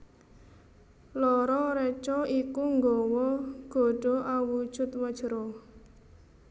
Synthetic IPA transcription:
lɔɾɔɾɛt͡ʃɔikuŋɡɔwɔɡ̥o̤ɖ̥o̤ʔawud̥ʒ̥ʊ̤t̪̚wəd̥ʒ̥əɾɔ

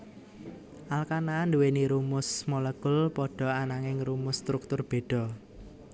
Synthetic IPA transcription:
ʔalkanand̪uweniɾumʊsmolekʊlpɔɖ̥ɔ̤anaŋɪŋrumʊst̪ɾuk̚t̪ʊrb̥e̤ɖ̥ɔ̤

